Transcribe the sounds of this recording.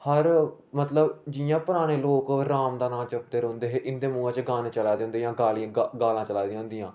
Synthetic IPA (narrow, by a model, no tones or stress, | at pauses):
həɾ | mət̪ləbd͡ʒɪjãːpəɾaːɽ̃eːloːkɾaːmd̪aːnãːt͡ʃəp̚t̪eːɾəːnd̪eːɦeːʔɪnd̪eːmũːãːt͡ʃɡaːnt͡ʃəlaːd̪eːʊ̃nd̪eːjãːɡaːlijãːɡaːlãːt͡ʃəlaːd̪iãːɦʊ̃nd̪ijãː